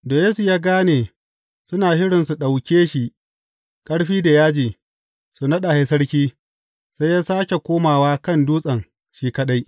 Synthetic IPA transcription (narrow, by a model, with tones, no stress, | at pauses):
doː˨jeː˦su˨jaː˦ɡaː˦neː˨ | sʊ˦naː˨hɪ˦ɽɪ˨nsu˨ɗa˨wkʲeː˦ʃi˨ʔ | kʼɐ˦ɽɸiː˦da˨jaː˦d͡ʒiː˨ | su˨nɐ˦ɗa˨ha˦sɐ˦ɽkʲiː˦ | sa˦jaː˦saː˦kʲe˨kʷoː˦maː˨waː˦kɐ˦˨nduː˦sʼɐ˨ŋ | ʃiː˦kɐ˦ɗa˦j